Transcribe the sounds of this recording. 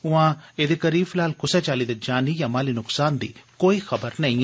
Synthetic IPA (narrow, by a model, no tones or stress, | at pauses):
ʊãːeːd̪eːkəɾiːfʰɪlaːlkʊsɛːt͡ʃaːliːd̪eːd͡ʒaːniːjãːmaːliːnʊksaːnd̪ḭːkoːiːxəbəɾnəĩː